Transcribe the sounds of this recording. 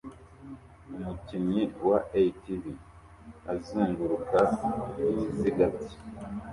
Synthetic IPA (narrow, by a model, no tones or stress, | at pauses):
umuciɲiwaeitivi | aziːŋɡuɾukaiiziɡati̥